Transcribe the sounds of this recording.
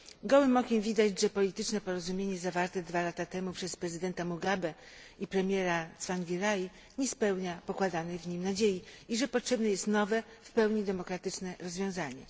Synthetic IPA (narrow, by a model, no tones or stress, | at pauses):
ɡɔwɘmɔkʲemvʲid̪ad͡ʑʐɛpɔlʲit̪ɘt͡ʂnɛpɔɾɔzumʲjeɲɛzavaɾt̪ɛd̪valat̪at̪ɛmupʂɛspɾɛzɘd̪ɛnt̪amuɡabɛ | ipɾɛmʲjɛɾat̪sfaŋɡʲiɾaji | ɲɛspɛwɲapɔkwad̪anɛjvɲimnad͡ʑejiiʐɛpɔtʂɛbnɛjɛst̪nɔvɛ | fpɛwɲid̪ɛmɔkɾat̪ɘt͡ʂnɛɾɔzvʲjɔ̃w̃zaɲɛ̰